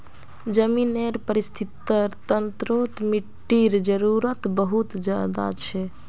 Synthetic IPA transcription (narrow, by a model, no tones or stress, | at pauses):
d͡ʒəmineɾpəɾist̪ʰit̪əɾt̪ənt̪ɾot̪miʈːiɾd͡ʒəɾuɾət̪bəɦut̪d͡ʒja̰d̪a̰t͡ʃʰɛ